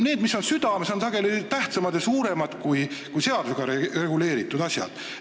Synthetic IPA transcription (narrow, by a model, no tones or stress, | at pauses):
ne̞ːd̪miso̞nsyd̪̥ɑmeso̞nsɑɡ̥e̞lit̪æht̪sɑmɑd̪̥jɑsuːɾe̞mɑd̪̥kujkujse̞ɑd̪useɡ̥ɑɾere̞ɡ̥ule̞ːɾit̪ːˑud̪̥ɑsʲjɑ̰d̪̥